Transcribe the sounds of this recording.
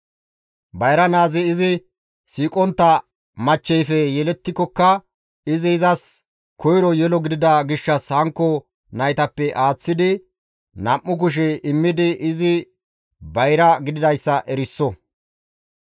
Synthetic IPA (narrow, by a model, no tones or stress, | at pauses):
bɐjɾɐnaːzɪːzɪ | siːkʼɔnt̪ːɐ | mɐt͡ʃːɛjfɛjɛlɛt̪ːɪkːɔkːɐ | ɪzɪːzɐs | kɔjɾɔjɛlɔɡɪd̪ɪd̪ɐɡɪʃːɐshɐŋkːɔ | nɐjt̪ɐpːɛʔaːt͡sːɪd̪ɪ | nɐʔːʊk̬ʊʃ̬ɛɪmːɪd̪ɪʔɪzɪ | bɐjɾɐɡɪd̪ɪd̪ɐjsːɐʔɛɾɪsːɔ